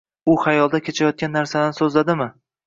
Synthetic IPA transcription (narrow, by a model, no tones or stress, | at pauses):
ʊhajɒlˠd̪akʲʰet͡ʃʰajɒt̪̚kʲanːaɾsad̪ansɵzlad̪ɪmɪ